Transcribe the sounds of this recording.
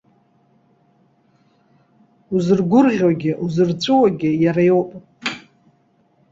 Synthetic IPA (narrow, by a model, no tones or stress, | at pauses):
uzɨrɡʷʊrʁʲwaɡʲɪʔuzɨrt͡sʷʼɨwaɡʲɪjaɾajowpʼ